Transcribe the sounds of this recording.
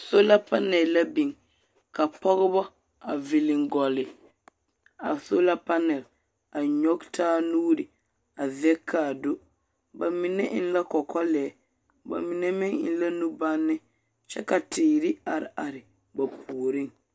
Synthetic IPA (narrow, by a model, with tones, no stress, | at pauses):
so˦la˦pa˦nɛ˨lla˦bɪ˨ŋ | ka˨pɔ˦ɣɪ˦bɔ˦ | a˨vɪ˨lɪ˨ŋɡɔ˨lɪ˨ | a̰˨so˦la˦pa˦nɛ˨l | a˨ɲɔ˦ɡtʰaː˦nuː˦ɾɪ˨ | a˨zɛ˦kʰːaː˨do˦ | ba˨mɪ˨nɛ˦ʔɪ̰˦n˦la˦kɔ˨kʰɔ˦lɛː˨˦ | ba̰˨mɪ˨nɛ˦mɪ˦ŋɪ̰˨nla˦nu˦ba˦nːɪ˦ | t͡ʃɛ̰˦ka˨tɪː˨ɾɪ˦a˨ɾɪ̰˨ʔa˨ɾɪ˨ | ba˨pʰuː˨ɾi˦ŋ